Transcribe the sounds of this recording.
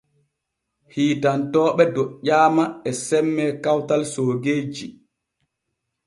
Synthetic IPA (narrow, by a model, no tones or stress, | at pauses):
hiːtantɔːɓɛdɔʔaːmaɛsɛmːɛkawtalsoːɡeːd͡ʒi